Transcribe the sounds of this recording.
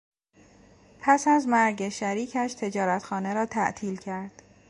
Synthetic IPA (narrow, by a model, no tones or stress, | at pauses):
pʰæsæzmæɾɟeʃæɾiːcʰæʃt̪ʰe̞d͡ʒɒːɾæt̪xɒːne̞ɾɒːt̪ʰæ̰ʔt̪ʰiːlcʰæɾd̪̥